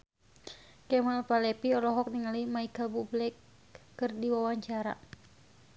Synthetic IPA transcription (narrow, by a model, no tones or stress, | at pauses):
kɛmalpalɛpiɔlɔɦɔk̚niŋalimaikalbublɛkː | ɨrdiwawaɲt͡ʃaɾa̰